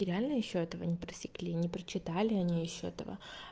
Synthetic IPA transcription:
ɪɾʲɪalʲnəjɪɕːoɛt̪əvənʲɪpɾəsʲɪ̥klʲinʲɪpɾət͡ɕɪt̪alʲɪɐnʲijɪɕːoɛ̰t̪ə̰və̰

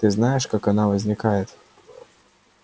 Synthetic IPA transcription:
t̪ɨznajɪʂkakɐnavɐzʲnʲɪkajɪt̪

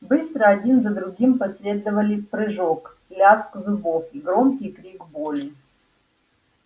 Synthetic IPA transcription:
bɨst̪ɾəɐdʲinzɐd̪ɾʊɡʲimpɐsʲlʲe̞d̪əvəlʲɪpɾɨʐok | lʲaskzʊbofiɡɾomkʲɪjkɾʲiɡbolʲɪ

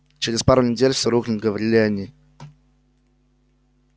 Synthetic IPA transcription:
t͡ɕɪɾʲɪspaɾʊnʲɪdʲelʲfsʲɪɾuxlʲɪnɡəvɐɾʲilʲɪɐnʲi

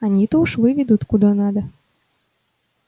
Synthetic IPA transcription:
anʲit̪ɔuʃʋɪʋʲid̪ut̪kud̪ɔnad̪ɐ

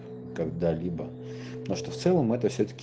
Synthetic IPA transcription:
kɐɡd̪alʲibə | noʂt̪oft̪sɛlˠəmɛt̪əfsʲɵt̪ə̥kʲ

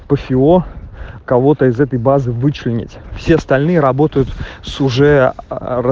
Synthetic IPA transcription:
pəfʲɪo̞kɐvo̞t̪əɪzɛt̪əjbazɨvɨt͡ɕlʲɪnʲɪ̰tʲfsʲeɐst̪ɐlʲnɨjəɾɐbo̞t̪əjʊt̪sʊʐɛ

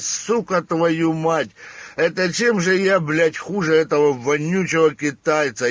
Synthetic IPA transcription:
sukɐt̪vɐjumatʲɛt̪ɐt͡ɕemʐɨjablʲætʲxuʐɨɛt̪əvɐvɐnʲːut͡ɕɪvɐkʲɪt̪ajɪt̪sɐ

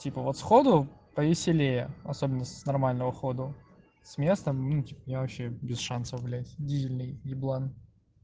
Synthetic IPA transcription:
tʲipəvot̪sxod̪ʊpəvʲɪsʲɪlʲejəɐsobʲɪnːəsnɐrmalʲnəvəxod̪ʊ | sʲmʲe̞st̪əmnutʲipəmnʲavɐpɕːebʲɪsʂansəfvlʲætʲdʲizʲɪlʲnɨjɡʲɪblˠan

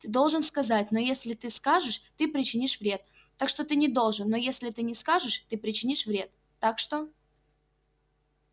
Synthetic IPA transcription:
t̪ɨd̪o̞lˠʐɨnskɐzatʲno̞jesʲlʲɪt̪ɨskaʐɨʂt̪ɨpɾʲɪt͡ɕɪnʲiʂvɾʲe̞t̪ː | akʂt̪o̞t̪ɨnʲɪd̪o̞lˠʐɨnːo̞jesʲlʲɪt̪ɨnʲɪskaʐɨʂt̪ɨpɾʲɪt͡ɕɪnʲiʂvɾʲe̞t̪ːakʂt̪o

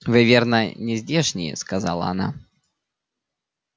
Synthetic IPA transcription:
vɨvʲernənʲɪzʲdʲeʂnʲɪjɛ̰skaza̰lˠɐ̰ana̰

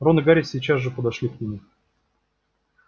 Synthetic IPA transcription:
ronɨɡaɾʲɪsʲɪt͡ɕasʐɨpəd̪ɐʂlʲiknʲɪmʲu

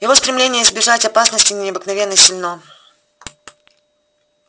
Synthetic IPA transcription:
jɪvo̞st̪ɾʲɪmlʲenʲɪjəɪzbʲɪʐatʲɐpasnəsʲtʲɪnʲnʲɪɐbɨknɐvʲenːəsʲɪlʲno

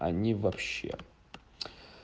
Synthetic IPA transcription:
a̰nʲivɐpɕːḛ

